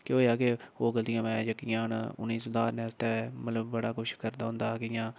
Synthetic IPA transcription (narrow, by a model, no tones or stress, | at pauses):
keoːjaːkeoːɡəld̪ɪjãːmɛ̃ːd͡ʒəkːɪjãːn̰ʊ̰nːiːsʊd̪aːɾnɛːst̪eːmət̪ləbːəɽaːkʊʃʰkəɾd̪aːɦʊ̃nd̪aːkɪjãː